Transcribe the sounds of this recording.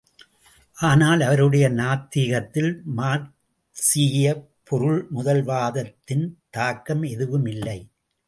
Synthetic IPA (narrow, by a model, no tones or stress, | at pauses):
ʔaːnaːlɐʋɐɾɯɽɐjɐnaːt̪ːiɣɐt̪ːɪlmaːɾ | siːjɐ | pʰɔɾɯɭmʊðɐlʋaːðɐt̪ːɪnt̪aːkːɐmɛðɯʋɯmɪlːɐɪ